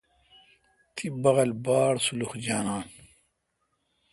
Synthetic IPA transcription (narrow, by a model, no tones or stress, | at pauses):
t̪ʰibɐʁɐlbaːɽsuluxd͡ʑaːnaːn